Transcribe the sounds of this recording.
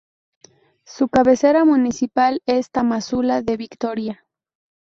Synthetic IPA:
sukaβe̞se̞ɾamunisipalest̪amasulaðe̞βikt̪o̞ɾja

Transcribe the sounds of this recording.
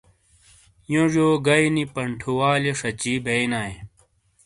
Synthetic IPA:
jõʐoːɡɐinipɐɳʈʰuwaːleʂɐt͡ɕibejnaːẽ

